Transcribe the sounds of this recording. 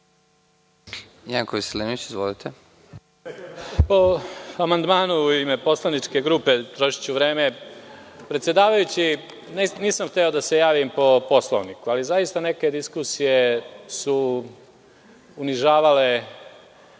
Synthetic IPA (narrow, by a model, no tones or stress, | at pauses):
jaŋkoʋiselinuit͡ɕizʋolit̪ʰe | po̞amand̪maːnuuime̞po̞slanit͡ʃke̞ɡɾuːpe̞t̪ɾo̞ʃi̥t͡ɕuʋɾe̞ːme̞ | pɾet̪sjed̪aːʋajut͡ɕi | nniːsamxt̪eo̞d̪ase̞jaːʋimpo̞po̞slo̰ʋnikualizajist̪ane̞ke̞d̪iskusije̞su | niʒaːʋale̞